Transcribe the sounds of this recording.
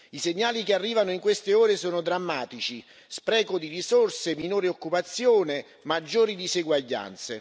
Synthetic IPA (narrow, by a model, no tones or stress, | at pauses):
iseɲːaːlikearːiːvanoiŋkwest̪eoːɾesoːnod̪ɾamːaːt̪it͡ʃi | spɾɛːkod̪irisorseminouːɾiokːupat̪sːjoːne | mad͡ʒːoːɾid̪iseɡwaʎːa̰nt̪se